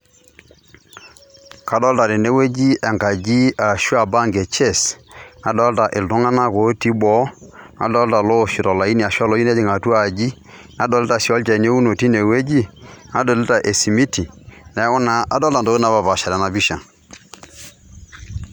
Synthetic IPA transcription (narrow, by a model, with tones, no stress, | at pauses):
ka˦dɔ˦lta˨ɾɪ˨ne˦we˦d͡ʒi˦ʔɛ˨ŋka˨d͡ʒi˦a˨ʃu˦a˦˨ba˦ŋɡe˨t͡ʃe˦˨sna˦dɔ˦lta˨ʔɪ˨ltʊ˦ŋa˦na˦ko˨˦ti˦bɔ˦na̰˨dɔ˦lta˨lo˦˨ʃi˨ɾɔ˨la˨i˦ni˨a˨ʃwa˦lo˦d͡ʒi˦ɛ˦d͡ʒɪ˨ŋa˨tu˦a˨d͡ʒi˦ | na˦dɔ˨lɪ˦ta˨si˨ɔ˦lt͡ʃɛ˨ne˦u˦no˨ti˦ne˨we˦d͡ʒi˦na˦dɔ˨lɪ˦ta˨ʔe˨si˨mi˦ti˨nɛ˨˦ʊ˦na˨ʔa˨dɔ˦lta˨do˦ɪ˦na˦ba˨ba˨ʃa˨ɾɛ˨na˨bi˦ʃa˨